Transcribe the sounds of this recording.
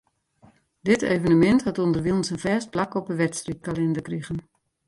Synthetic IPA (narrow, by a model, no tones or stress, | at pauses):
dɪteːvənəmɛnthatundərʋilˠnsənvɛːst̚plakɔpəʋɛtstrik̚kalɛndəkriɣən